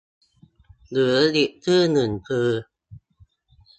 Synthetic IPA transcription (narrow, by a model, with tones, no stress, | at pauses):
lɯ˨˦əli˨˩əʔt̪ʰɯː˥˩nɨ˨˩npʰɨː˧